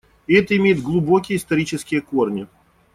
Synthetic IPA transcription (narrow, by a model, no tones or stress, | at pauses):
ɪɛt̪əɪmʲejɪd̪ɡlˠʊbokʲɪjəɪst̪ɐɾʲit͡ɕɪskʲɪjəkornʲɪ